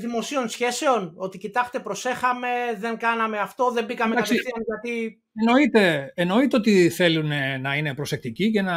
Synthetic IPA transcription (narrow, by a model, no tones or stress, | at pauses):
ðimo̞sio̞nsçe̞se̞ono̞t̪icit̪ɐxt̪e̞pɾo̞se̞xɐme̞ðe̞ŋɡɐnɐme̞ɐft̪o̞ðe̞mbikɐmeaɐstesiθiɐnʝɐt̪i | eno̞it̪e̞eno̞it̪eo̞t̪iθe̞lunenɐine̞pɾo̞sek̚t̪icicenɐ